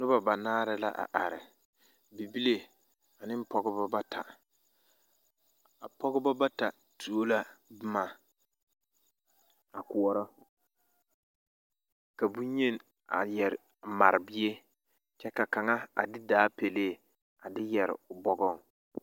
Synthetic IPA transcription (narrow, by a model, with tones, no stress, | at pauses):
nʊ˦ba˨ba˨naː˦ɾɪ˦la̰˦ʔa̰˨ʔa˨ɾɪ˨ | bi˨bi˦le˦ | a˨nɪ˦m˦pɔ˦ɡɪ˦bɔ˦ba˦tʰa˨ | a˨pɔ˦ɣɪ˦bɔ˦ba˦ta˨ | tʰu˨o˦la˨bɪ˦ma˨ | a˨kʊ˨ɔ˨ɾɔ˦ | ka˨bu˦ɲe˦˨n | a̰˨jɛ˨ɾɪ˨ | ma˨ɾɪ˨bɪ˦e˦ | t͡ʃɛ˦ka˨ka˨ŋa˦a̰˨dɪ˦daː˨˦pe˨leː˦˨ | a˨dɪ˦jɛ˨ɾɪ̰˨ʊ˨bɔ˦ɡɔ˦˨ŋ